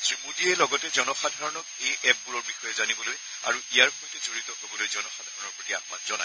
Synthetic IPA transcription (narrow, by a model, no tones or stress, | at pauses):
tɹimudiɛlɔɡɔtɛzɔnɔxadʱaɹɔnɔk̚ejɛp̚ːuɹɔɹbixɔjɛzanibɔloj | a̰ɹuʔijaɹpɔjtɛzoɹitɔɦobɔlojzɔnɔxadʱaɹɔnɔɹpɹotia̰xma̰nzɔna̰j